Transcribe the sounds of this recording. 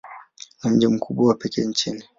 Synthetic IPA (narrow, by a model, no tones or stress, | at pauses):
nam̩d͡ʒim̩kʰuɓawapɛkɛɲt͡ʃini